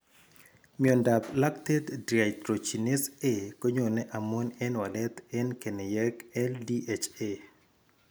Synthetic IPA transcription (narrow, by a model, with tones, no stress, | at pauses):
miɔ˨nda˨pla˦k̚te˦ddɾia˨jtɾo˨t͡ʃi˨nɪ˦se˦ko˦ɲo˨nɛ˦ʔa˨mo˦nɛ˦nwa˨lɛ˦t̪ɛ˦nke˨nɛ˨jɛ˦kɛ˦ldi˦ʔet͡ʃe